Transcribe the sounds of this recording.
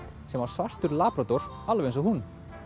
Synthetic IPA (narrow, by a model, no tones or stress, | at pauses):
sɛmvaɾ̥svar̥t̪ʏɾlaːpɾat̪ɔɾ̥ | alvejnsɔhun